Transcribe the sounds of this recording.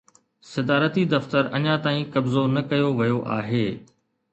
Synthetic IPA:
sɐd̪aːɾət̪id̪ɐft̪əɾɐɲãt̪aːĩkɐbzonɐkɐjoʋɐjoʔa̰ːɦeː

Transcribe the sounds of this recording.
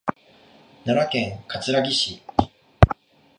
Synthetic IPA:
naɾakẽ̞ŋkat͡sɨɾaɡʲiɕi

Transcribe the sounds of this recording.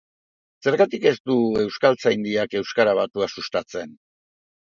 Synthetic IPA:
se̞ɾɣat̪ike̞st̪ue̞wskalt͡sajnd̪iake̞wskaɾaβat̪uasust̪at͡se̞n

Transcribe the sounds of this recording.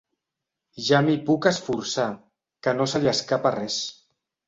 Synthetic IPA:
ʒamipukəsfuɾsa | kənosəʎaskaparɛs

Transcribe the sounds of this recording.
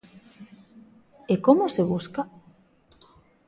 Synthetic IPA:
ekomʊseβ̞uska

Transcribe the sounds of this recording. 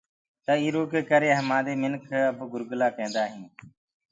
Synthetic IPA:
t̪əiːɾoːkeːkəɾeːɦəmãːd̪eːmɪnkʰəbɡʊɾɡlaːkẽːnd̪aːɦĩː

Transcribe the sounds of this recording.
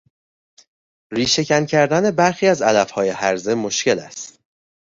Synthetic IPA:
ɾiːʃe̞cʰæncʰæɾd̪æne̞bæɾxiːæzælæfhɒːje̞hæɾze̞mo̞ʃce̞læ̰st̪

